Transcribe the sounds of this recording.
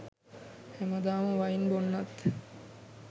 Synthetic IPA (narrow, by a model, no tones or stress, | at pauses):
hæməd̪aːməʋainbonːat̪